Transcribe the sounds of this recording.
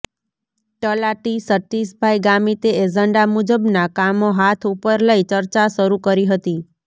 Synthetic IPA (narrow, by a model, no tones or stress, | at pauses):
ʈəlaʈisəʈːisbʱajɡamit̪eed͡ʒəɳɖamud͡ʒəbnakamoɦat̪ʰupəɾləit͡ʃəɾt͡ʃaʃəɾukəɾiɦət̪i